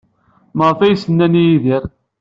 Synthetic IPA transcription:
məʁfæjsənːænijiðiɾ

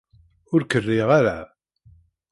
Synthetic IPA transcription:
ʊɾkərːɪʁaɾa

